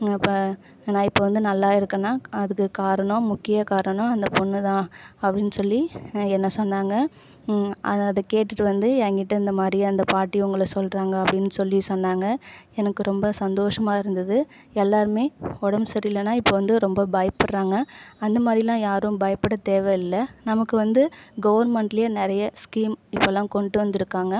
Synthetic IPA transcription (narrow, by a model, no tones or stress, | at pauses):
pː | nãːɪpːoːʋɐnd̪ɯnɐlːaːɪɾɯkːɐnːaːɐðɯkːɯkaːɾɐɳɔ̃mʊkːɪjakaːɾɐɳɔ̃ɐnd̪ɐpɔnːɯt̪ãːɐpːɐɽɪnːɯsɔlːiɛnːɐsɔnːaːŋɡɐ | ʔɐɐðɐkeːʈːɯʈːɯʋɐnd̪ɯɛŋɡɪʈːɐɪnd̪ɐmaːd̪ɾiɐnd̪ɐpaːʈːiʊŋɡɐɭɐsɔlɾaːŋɡɐɐpːɐɽɪnːɯsɔlːisɔnːaːŋɡɐɛnɐkːɯɾɔmbɐsɐnd̪oːʂɐmaːɪɾɯnd̪ɐðɯ | ɛlːaːɾɯmeːɔɽɐmsɐɾiɪlːɐnːaːɪpːoʋɐnd̪ɯɾɔmbɐbɐjɐpːɐɾɾaːŋɡɐɐnd̪ɐmaːd̪ɾɪlãːjaːɾɯ̃mbɐjɐpːɐɽɐt̪eːʋɐɪlːɐnɐmɐkːɯʋɐnd̪ɯɡɐʋɐɾnmɛɳʈɪlɪjɐnɪɾɐjɐskiːmɪpːolːãːkɔɳɖɯʋɐnd̪ɪɾɯkːaːŋɡɐ